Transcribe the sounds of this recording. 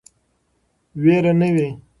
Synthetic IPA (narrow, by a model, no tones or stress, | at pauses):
weɾanəwe